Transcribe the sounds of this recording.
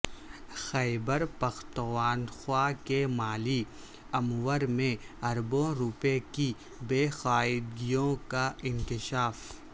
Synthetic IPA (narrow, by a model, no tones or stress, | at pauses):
xɛɪbəɾpɐxt̪əʋaːnxwaːkemaːli | ɐmwəɾmẽ | ɐɾbõɾʊpeki | beːxaːɪd̪ɡijõkaɪ̃nkɪʃaːf